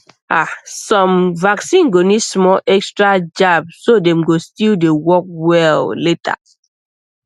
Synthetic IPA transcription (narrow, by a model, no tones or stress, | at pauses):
a̰sɔ̃mvaksĩnɡonismɔlʔɛkstɹad͡ʒabsodɛ̃mɡostildewɔk̚wɛlletʰa̰